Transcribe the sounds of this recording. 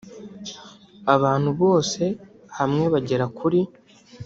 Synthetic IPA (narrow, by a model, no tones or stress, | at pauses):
aβaːn̥huβo̞ːse̞ | hamŋe̞βaɟe̞ɾakʰuɾi